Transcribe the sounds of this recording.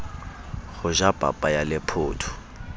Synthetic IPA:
ɣʊʒabʼa̰pʼajalɪpʰʊːtʰʊ̥

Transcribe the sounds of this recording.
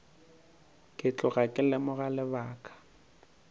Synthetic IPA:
kʼɪt͡ɬʼʊɣakʼɪlɪmʊɣalɪbaːkʰʼḁ

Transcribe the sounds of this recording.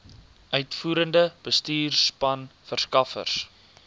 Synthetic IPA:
ʔœɥtfuːɾəndəb̥əstiːrspɐnfərskɐfə̰rs

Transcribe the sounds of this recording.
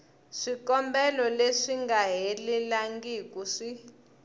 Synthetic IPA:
ʂikɔmbɛlɔleʂiŋɡaɦelilaŋɡiːkʼuʂi

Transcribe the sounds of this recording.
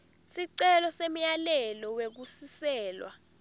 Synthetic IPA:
siǀɛlɔsem̩jalɛlɔwek̬usisɛːlwa̰

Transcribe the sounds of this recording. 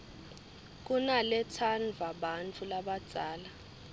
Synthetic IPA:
k̬ʼunalɛt͡sʰanvʱaɓant͡fʰulaɓad̥d͡z̥ʱaːla

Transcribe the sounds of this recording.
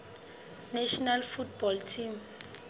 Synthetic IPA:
nɛʃɔnalfutbɔltʰim

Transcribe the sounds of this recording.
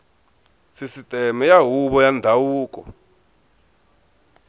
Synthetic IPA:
sisitʼɛmɛjaɦuβɔjandʱawuːkɔ̰

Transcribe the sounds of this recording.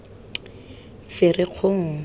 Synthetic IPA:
fɪrɪq͡χʰʊŋ̩

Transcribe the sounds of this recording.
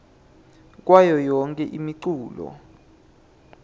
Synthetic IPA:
k̬wajɔjɔŋkʼɛʔimiǀuːlɔ̰

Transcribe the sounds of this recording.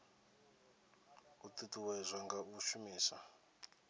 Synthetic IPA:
ut̪ituwɛzʷaŋɡauʃumiːsa

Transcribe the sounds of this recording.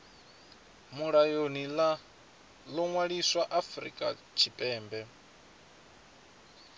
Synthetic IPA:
muɺajonila | lɔŋwaɺiswaʔafɾḭkʼa̰ | t͡ʃʰipʼɛːmbɛ

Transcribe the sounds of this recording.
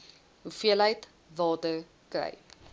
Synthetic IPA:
ɦufiəlɦəjt | vɑːtə | krɛ̰j

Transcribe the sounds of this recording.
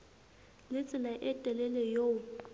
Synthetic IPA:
lɪt͡sʼɪlaʔɪtʼɛlɛlɛjo

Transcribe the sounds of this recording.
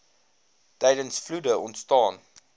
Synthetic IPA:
tɛjdənsfludəʔɔntstɑːn

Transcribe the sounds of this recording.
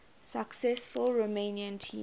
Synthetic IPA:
səksɛsfʊlɹomẽniə̃ntʰḭ̃

